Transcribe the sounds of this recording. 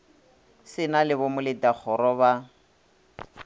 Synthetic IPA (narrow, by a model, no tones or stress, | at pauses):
sɪnalɪβɔmʊlɪdak͡xʰɔɾɔβa